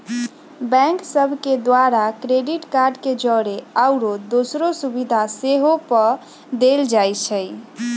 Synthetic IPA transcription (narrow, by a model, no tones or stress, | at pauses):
bɛ̃ksəbʱked̪waɾakɾeɖiʈkaɾɖked͡ʒəɾeaʊɾod̪osɾosubid̪ʱaseɦopə | d̪eld͡ʒajt͡ʃʰəj